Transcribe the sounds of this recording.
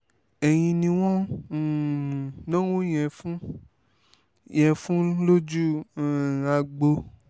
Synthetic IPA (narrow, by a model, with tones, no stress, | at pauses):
ɛ˨j̃ĩ˧nĩ˧w̃ɔ̃˦˨ | nã˦wõ˦j̃ɛ̃˧fũ˦ | jɛ̃˧fũ˦lo˦d͡ʒu˦˨ | a˧ɡ͡bo˧